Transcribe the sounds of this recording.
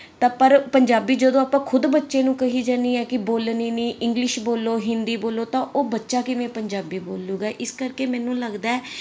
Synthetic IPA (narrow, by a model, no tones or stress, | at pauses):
t̪ãːpəɾpəɲd͡ʒaːbiːd͡ʒəd̪õːaːpãːkʰʊd̪bətːʃẽːnũːkəɦiːd͡ʒaːniːɛːkɪboːlniːniːʔɪŋɡlɪʃboːloːɦɪnd̪iːboːloːt̪ãːoːbətːʃaːkɪmɛ̃ːpəɲd͡ʒaːbiːboːlːuːɡaːʔɪskəɾkeːmɛːnũːləɡd̪aːɛː